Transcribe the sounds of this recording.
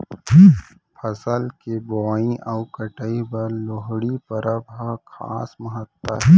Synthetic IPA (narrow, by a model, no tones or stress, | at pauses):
pʰəsəlkebɔːĩʔawkəʈəibəɾloɦɽipəɾʔəbʱakʰa̰ːsməɦət̪ːə̰ɛ